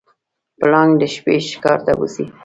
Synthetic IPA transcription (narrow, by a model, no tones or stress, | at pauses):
plɑŋɡd̪əʃpeʃɪ̥kɑɾt̪abṵsi